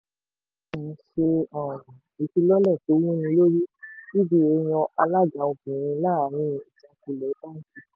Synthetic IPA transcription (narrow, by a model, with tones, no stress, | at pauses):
ũ˨ʃe˧ɔ̃˨i˨˧˦ti˧lɔ˦lɛ˦˨to˨˦wũ˦nĩ˧lo˦ɾi˦i˦bi˦e˨˧j̃ɔ̃˧ʔa˧la˦˨d͡ʒa˨˦o˨kĩ˨ĩ˧la˦˨˦nĩ˦˨i˨tã˨˧ku˨˧lɛ˨˦ta˦n̩˦ti˦˨